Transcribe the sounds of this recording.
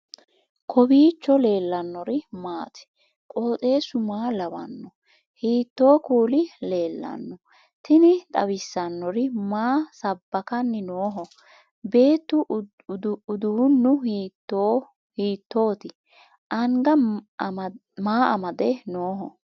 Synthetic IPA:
kʰɔbiːt͡ʃːɔle̞ːlːɐnːɔɾɪmaːt̪ɪ̥ | kʼoːt̪ʼe̞ːsʊmaːlɐwɐ̰nːɔ | hiːt̪ːo̞ːkuːlɪle̞ːlːɐ̰nːɔ | t̪ɪnɪt̪ʼɐ̰wɪsːɐnːɔɾɪmaːsɐbːɐkɐnːɪnoːɦɔ | be̞ːt̪ːʊ | ʊd̪uːnːʊh̪ | o | hiːt̪ːo̞ːt̪ɪ | ʔɐŋɡɐ | maːɐmɐd̪ɛnoːɦɔ

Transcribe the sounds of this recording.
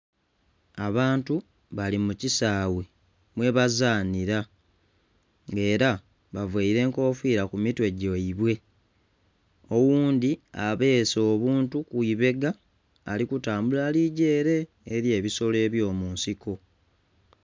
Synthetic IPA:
aβaːntu | βalimucisaːwe̞ | mwe̞βazaːniɾa | ŋɡe̞ːɾa | βavweiɾe̞ːŋko̞ːfwiːɾakumitwe̞ɟoiβwe̞ | o̞wuːnd̪iaβe̞ːso̞ːβuːntukuiβe̞ɡaː | likutaːmbulaliɟe̞ːɾe̞ː | ɾje̞ːβiso̞le̞ːβjo̞ːmuːnsiko̞

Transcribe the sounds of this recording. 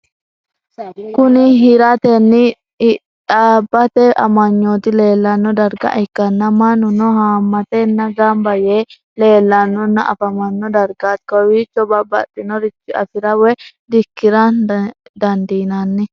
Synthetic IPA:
kʊnɪɦɪɾɐt̪ɛnːɪ | ᶑabːɐt̪ɛʔɐmɐɲːoːt̪ɪle̞ːlːɐnːɔd̪ɐɾɡɐ̰ʔɪkːɐnːɐmɐnʊnɔhaːmːɐt̪ɛnːɐɡambɐje | le̞ːlːɐnːɔnːɐʔɐ̰fɐmɐnːɔd̪ɐɾɡaːt̪kɔwɪt͡ʃːɔbɐbɐ̰t̪ʼːɪnɔɾɪt͡ʃːɪɐ̰fɪɾɐwɛ | d̪ɪkːɪɾɐnd̪ɐnd̪iːnɐnːɪ

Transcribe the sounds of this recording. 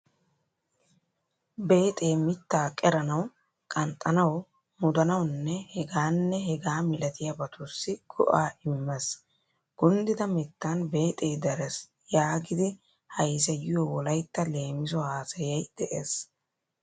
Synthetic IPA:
be̞ːt̪ʼeːmɪt̪ːaːkʼɛɾɐnɐw | kʼɐnt̪ʼɐnɐw | mʊd̪ɐnɐwnːɛhɛɡaːnːɛhɛɡaːmɪlɐt̪ɪjɐbɐt̪ʊsːɪɡ̥ɔ̰ʔaːɪmːɛs | ɡ̥ʊnd̪ɪd̪ɐmɪt̪ːanbe̞ːt̪ʼeːd̪ɐɾɛs | jaːɡɪd̪ɪ | hɐjs̬ɐjɪjowɔlɐjt̪ːɐle̞ːmɪsɔhaːsɐjɐjd̪̥ɛʔeːs

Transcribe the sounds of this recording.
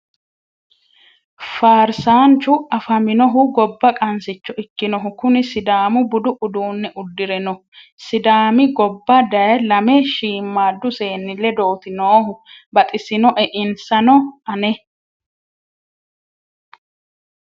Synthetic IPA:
faːɾsaːnt͡ʃʊɐfɐmɪnɔɦʊɡɔbːɐkʼɐnsɪt͡ʃːɔɪkːɪnɔɦʊkʊnɪsɪd̪aːmʊbʊd̪ʊʔʊd̪uːnːɛʔʊd̪ːɪɾɛnɔ | sɪd̪aːmɪɡɔbːɐd̪ɐjɐlɐmɛʃiːmːaːd̪ːʊseːnːɪlːɛd̪oːt̪ɪnoːɦʊbɐt̪ʼɪsɪnɔʔɛʔɪnsɐnɔɐnɛ

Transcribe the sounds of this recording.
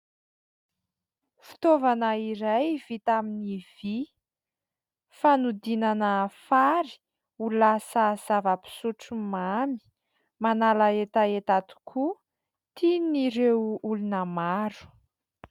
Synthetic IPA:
fi̥t̪ovanaiɾajv̥it̪aminiv̥i | fanud̪inanəfaɾi̥ | ulasaz̥avəpi̥suʈ͡ʂumami̥ | manalaet̪aet̪at̪u̥kʰu | t̪ʰiniɾewulunəmaɾu̥

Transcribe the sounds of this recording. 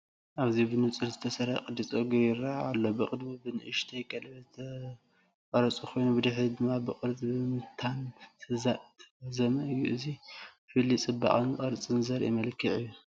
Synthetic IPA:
ʔaβzibɨnɨt͡sʼɨlzɨt̪ʰɐsɐɾaqʼɨd̪it͡sʼoɡjɪɾaa̰lːobɨqʼɨd̪mibɨnɨʔɨʃt̪ʰɐjkʼɐlβɐzt̪ʰɐ | qʼɐɾɐt͡sʼukʰo̞jnubɨd̪ɨħid̪ɨmːabɨqʼɨɾt͡sʼbimɨt̪ʰant̪ʰɨzat̪ʰzɐmɐʔɨjːuʔɨzi | fɨlːit͡sʼɨba̰ʔʼɨnɨqʼɐɾt͡sʼɨnzɐɾʔimɐlkʰiʕɨjːu

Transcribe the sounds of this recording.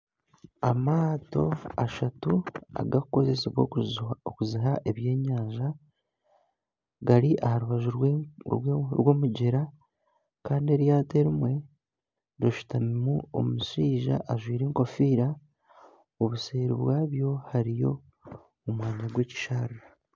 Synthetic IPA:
amaːto̞aʃatua̰ɡakuko̞ze̞seβwookuziɦaʔe̞βje̞ːɲaːɲʒa | ɡaɾiʔahaɾuβaʒu | ɾwo̞ːmuɟeɾa | kaːndie̞ɾjaːte̞ɾimwe̞ | ɾoʃu̥tamimuo̰muʃiːʒa̰ʔːʒwiːɾeːŋko̞fiːɾa | oβuse̞ːɾiβwaːβjo̞haɾijo̞ | omwaːɲaɡwe̞ːci̥ʃaɾa

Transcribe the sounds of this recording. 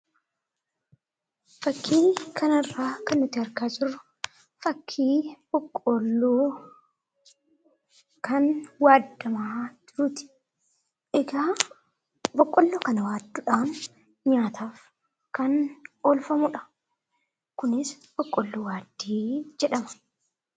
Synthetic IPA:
fɐkːiːnkʰɐnɐrːaːkɐnːʊt̪ːɪɐɾkaːd͡ʒʊrʊ̥ | fɐkʰːiːb̥ɔkʼːɔlːoː | kɐnwaːd̪ːɐmaːd͡ʒɪɾuːt̪ɪ̥ | ʔɛɡaː | bɔkʼːɔlːoːkɐnɐwaːd̪ːʊᶑaːn | ɲaːt̪ʰaːf | kɐnoːlfɐmʊᶑɐ̥ | kʊnɪs | b̥ɔkʼːɔlːoːwaːd̪ːiːd͡ʒɛᶑɐmɐ̥

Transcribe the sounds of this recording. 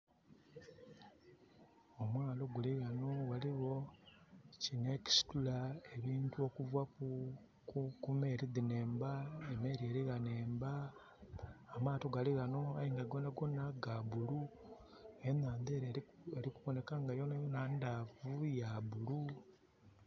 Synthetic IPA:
omwaːlo̞ɡuliɣano̞waliɣo̞ | cine̞ci̥si̥tulae̞βiːntuo̞kuvwa | kukume̞ːɾiðine̞ːmbaeme̞ːɾieɾiɣane̞ːmba | maːto̞ɡaliɣano̞aiŋɡaɡonaɡo̞naɡaβulu | enaːndeːɾ | eɾikuβo̞ne̞kaŋɡajo̞najonandavujaβulu

